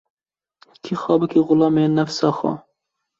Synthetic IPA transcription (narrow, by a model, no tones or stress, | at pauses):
kʰixɑːbɨkʰiɣʊlɑːmenæfsɑːxɑ̰